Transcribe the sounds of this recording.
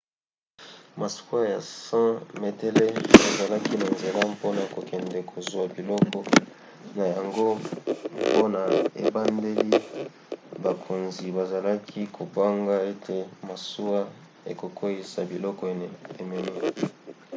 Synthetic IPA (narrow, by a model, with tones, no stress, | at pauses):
ma˨su̥˦ka˦ja˨sã˦me˨te˦le˦ba˨za˨la˦ki˦na˨nze˨la˦po˦na˨ko˨kɛ˨ndɛ˨kʰo˨za˨bi˨lɔ˦kɔ˦ | na˨ja˨ŋɡo˦ | po˦na˨ḛ˨ba˦nde˦li˦ | ba˨kʰo˨nzi˨ba˨za˨la˦kʰi˦kʰo˨ba˦ŋɡa˦e˦te˦ma˨su˦wa˦ | ḛ˨ko˨kʰo˦ji˦sa˨bi˨lɔ˦kɔ˨e˨mɛ˨ni˦